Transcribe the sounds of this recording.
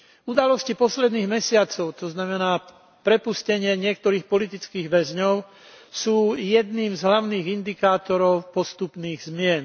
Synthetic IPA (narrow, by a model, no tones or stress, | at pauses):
ud̪alɔscipɔslɛd̪niːɣmɛsɪat͡sɔʊt̪ɔznamɛnaː | pɾɛpuscɛɲɪɛɲɪɛk̚t̪ɔɾiːxpɔlit̪it͡skiːɣʋɛzɲɔʊ | suːjɛd̪niːmzɦlaʊniːɣind̪ikaːt̪ɔɾɔʊpɔst̪upniːɣzmɪɛn